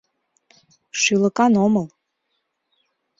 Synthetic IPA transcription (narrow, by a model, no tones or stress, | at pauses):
ʃylə̆kɑnoməl